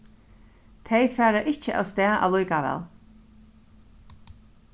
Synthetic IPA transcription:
t̪ʰejfæːɾaʔɪt͡ʃəʔa̰wst̪ɛːaʔa̰lujkaʋɛ̰ːl

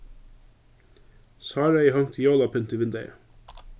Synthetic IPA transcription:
sɑːɹəɪhɑŋt̪ʰːjoːlɑpʰʏnt̪iːʋɪnd̪æɪ̰

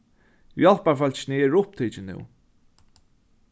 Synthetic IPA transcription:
jɔlpafœlt͡ʃnɪɛɹʊpt̪ʰiːt͡ʃɪnɪ̰w

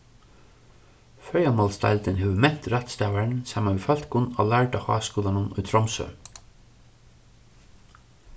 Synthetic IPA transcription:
fœɹjamɔlst̪a̰ɪlt̪ɪnɦɛʋəmɛn̥t̪ɾat̪st̪aːʋaɹnsaːmaʋifœlt̪kʊnːɔ̰læɹʈahɑ̰ːskuːlanʊnʊ̰jt̪ʰɾɔmsœ̰

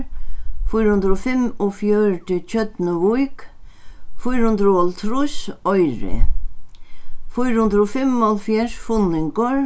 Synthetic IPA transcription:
fʊjɾhʊnd̪ɾɔfɪmɔfjœɹʈɪt͡ɕʰœt̪nəʋujk | fʊjɾhʊnd̪ɾɔlt̪ʰɾusɔjɾɪ̰ | fʊjɾhʊnd̪ɾɔfɪmɔlfjɛʂfʊnːɪŋkɔɾ

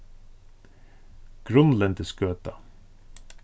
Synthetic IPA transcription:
ɡ̥ɾɵnlɛnt̪ɪskøːt̪a

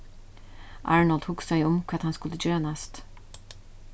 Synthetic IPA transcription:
ʔɑ̰ːɹnəld̪hʰuːksæɪɔmkʰɑt̪hɑnskʉlːəd͡ʒøːɾanɛst̪

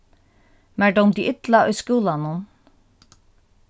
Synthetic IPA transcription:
mæɖɔmd̪iʔɪt̪laʊjskuːlanʊn

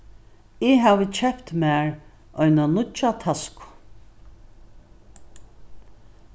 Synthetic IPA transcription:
ɪɦaːʋət͡ʃʰɛpt̪mæːɹ | ɔjnanʊt͡ʃat̪ʰaskʊ̥

